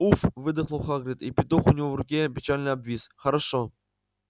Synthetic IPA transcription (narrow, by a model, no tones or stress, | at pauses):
ufvɨd̪ɨχlˠoχɑɡɾʲit̪ipʲɪt̪oχʊnʲivovrʊkʲepʲɪt͡ɕalʲnəabvʲisχɐɾaʂo